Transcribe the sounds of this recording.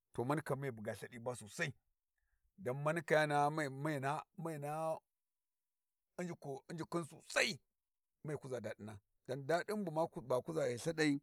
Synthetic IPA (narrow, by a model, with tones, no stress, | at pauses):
to˨ma˦n˦ka˨me˦˨bu˨ɡa˨ɬa˦ɗi˦ba˦so˨sa˦i˦ | da˨nma˦n˦ka˨ja˦na˦˨ma˦˨na˦ma˦˨na˦ | nd͡ʒi˨i˦nd͡ʒi˨ku˦nsṵ˨sa˦i˦ | ma˦˨ku˦za˨da˨di˦na˨ | da˨nda˦ɗi˦mbu˨ma˦ba˨ku˦za˨e˨ɬa˦ɗa˨i˦